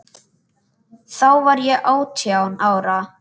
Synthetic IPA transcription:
θawvaɾjɛʔaːwt̪ʰjawnaːwɾa

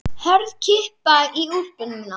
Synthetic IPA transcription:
hœɾðcʰɪhpaiurpʏnɪna

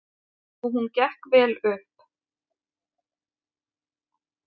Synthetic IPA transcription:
ɔɦuncɛhkvɛːlʏhp

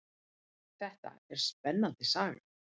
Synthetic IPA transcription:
θɛht̪a̰ɛɾ̥spɛnːant̪ɪsaːɣɪ̰

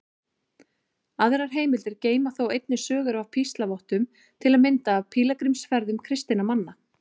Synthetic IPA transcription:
aðɾaɾ̥ɦeːjmɪlt̪ɪɾceːjmaθowejt̪nɪsœːɣʏɾavpʰist̪lavɔwht̪ʏm | t̪ʰɪlaðmɪnt̪aːvpʰiːlakɾimsfɛɾðʏmkʰɾɪst̪inamanːa

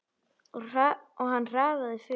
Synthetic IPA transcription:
ɔaɔɣɦanːr̥aːvaðɪfɪ

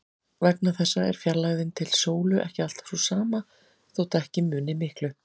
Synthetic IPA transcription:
vɛknaθɛsːaɛ̰ɾ̥fjɛɾlaɣðɪnt̪ʰɪlsoːwlʏʔɛ̰hcɪal̥t̪ḁsusaːma | θowt̪aɛhcɪmʏːnɪmɪhklʏ

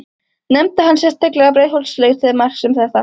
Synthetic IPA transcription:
nɛmt̪ɪɦanːsjɛst̪ʰːaklɛɣapɾeːjhowlsleːɣt̪ʰɪðmar̥ksɛmθɛht̪a

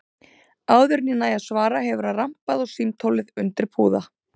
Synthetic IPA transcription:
aːwðʏɾninajaðsvaːɾaɦɛvʏɾaram̥paðɔɣsimt̪ʰowlɪðʏnt̪ɪɾ̥pʰuːða

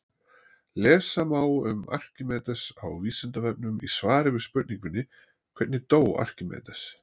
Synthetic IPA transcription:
lɛːsamaːwʏma̰r̥cɪmɛːt̪asawvisɛnt̪avɛp̚nʏmḭsvaːɾɪvɪspʏt̪niŋkʏnːɪ | kʰvɛɾt̪nɪt̪oːwa̰r̥cɪmɛ̰ːt̪ḁs

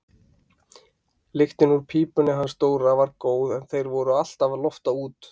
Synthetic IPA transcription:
lɪxt̪ɪnuɾ̥pʰiːpʏnɪɦanst̪oːwɾavaɾkoːwðɛnθejɾvɔɾʏal̥t̪avlɔft̪auːt̪

